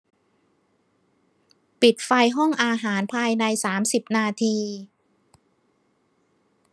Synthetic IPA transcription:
pi˨˩t̪̚fa˧jɦɔ˥˩ŋʔaː˧ɦaː˩˦npʰaː˧jna˧jsaː˩˦msi˨˩p̚naː˧t̪ʰiː˧

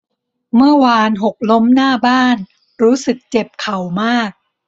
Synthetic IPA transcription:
mɯ˥˩ɐwaː˧nɦo˨˩k̚lo˦˥mnaː˥˩baː˥˩n | ɾuː˦˥sɯ˨˩k̚t͡ɕe˨˩p̚kʰa˨˩wmaː˥˩k̚

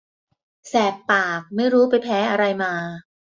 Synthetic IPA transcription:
sɛː˨˩pːaː˨˩k̚ma˥˩jɾuː˦˥pa˧jpʰɛː˦˥ʔa˧ɾa˧jmaː˧

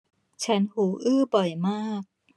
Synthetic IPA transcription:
t͡ɕʰa˧˦nhuː˩˦ʔɯː˥˩bɔ˨˩jmaː˥˩k̚

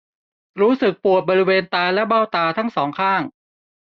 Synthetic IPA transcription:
ɾuː˦˥sɯ˨˩k̚pu˨˩ət̪̚bɔː˧ɾi˦˥weː˧nt̪aː˧lɛ˦˥baː˥˩wt̪aː˧t̪ʰa˦˥˩ŋsɔː˩˦ŋkʰaː˥˩ŋ

